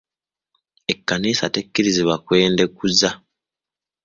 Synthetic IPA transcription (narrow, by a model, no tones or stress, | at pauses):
e̞kːaniːsatekːiɾiziβakwe̞ːnde̞kuza